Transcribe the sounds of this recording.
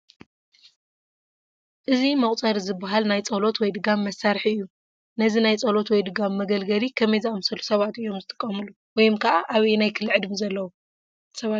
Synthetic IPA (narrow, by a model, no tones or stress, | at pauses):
ʔɨzimɐχʼt͡sʼɐɾizɨbːɐɦalnajt͡sʼɐlo̞t̪wɔjd̪ɨɡamːɐsːaɾħiɨjːu | nɐzinajt͡sʼɐlo̞t̪wɔjd̪ɨɡamːɐɡɐlɡɐlikʰɐmɐjzaʔomsɐlːusɐβat̪ɨjːo̞mzɨt̪ʼɨ̥kʼːɐmɨlu | wɔjɪmkʰɐʔaʔaβinajkʰɨlːɨʕɨd̪mizɐlːɐwu | sɐβa